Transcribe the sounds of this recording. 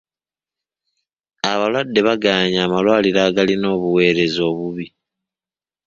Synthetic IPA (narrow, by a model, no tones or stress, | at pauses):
aβalwadːe̞βaɡaːɲaːmalwaːliɾaːɡalino̞ːβuwe̞ːɾe̞zo̞ːβuβi